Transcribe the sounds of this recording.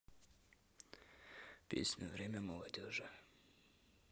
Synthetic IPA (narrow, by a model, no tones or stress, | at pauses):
pʲḛsʲnʲojəvɾʲemʲəməlˠɐd̪ʲoʐɨ